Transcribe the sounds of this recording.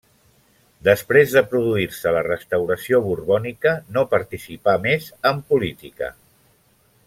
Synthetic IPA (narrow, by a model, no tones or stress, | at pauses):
d̪əspɾezðəpɾuðuiɾsələrəst̪əwɾəsioβuɾβɔnikənopəɾt̪isipamezəmpulit̪ikə̰